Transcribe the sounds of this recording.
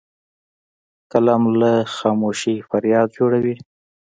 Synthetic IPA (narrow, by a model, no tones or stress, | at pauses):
kəlamlaxɑmoʃifaɾjɑd̪̚d͡ʒoɽawi